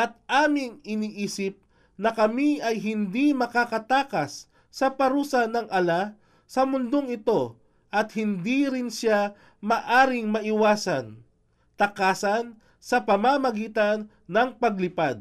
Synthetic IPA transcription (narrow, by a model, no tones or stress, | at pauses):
ʔɐt̪̚ʔaːmɪŋɪniːʔiːsɪp̚ | nɐkɐmiʔɐjɦɪnd̪imɐkakɐt̪aːkɐsː | ɐpɐɾuːsɐnɐŋʔɐla | sɐmʊnd̪oŋɪt̪o̞ | ʔɐt̪̚hɪnd̪iɾɪnʃa | mɐʔaːɾɪŋmɐʔɪwaːsɐn | t̪ɐkaːsɐn | sɐpɐmamɐɡiːt̪ɐnːɐŋpɐɡ̚lɪpad̪̚